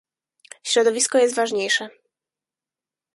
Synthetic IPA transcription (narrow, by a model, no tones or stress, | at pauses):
ɕɾɔd̪ɔvʲiskɔjɛst̪vaʐɲejʂɛ